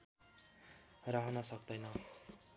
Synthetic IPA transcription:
raɦʌnʌsʌk̚d̪ʌjnʌ

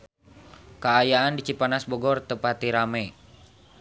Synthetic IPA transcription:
kaːjaandit͡ʃipanasbɔɡɔrt̪əpat̪iɾamɛ

